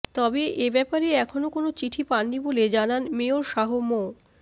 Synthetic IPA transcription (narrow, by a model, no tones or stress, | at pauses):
t̪ɔbeʔebɛpaɾeɛkʰonokonot͡ɕiʈʰipaːiboled͡ʑananmeoɾʃaɦomo